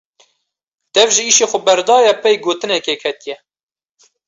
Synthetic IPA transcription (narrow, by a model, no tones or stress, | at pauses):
d̪̥ɛvʒɪiːʃeːxʊbɛɾd̪ɑːjɛpɛjɡoːt̪ɨnɛkekʰɛt̪ijɛ